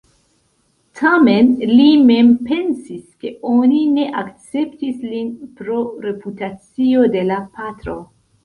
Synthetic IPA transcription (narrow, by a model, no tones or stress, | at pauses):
tʰame̞nlime̞mpe̞nsiske̞onine̞ʔakt͡se̞ptislinpɾo̞ɾe̞putat͡sio̞de̞lapatɾo̞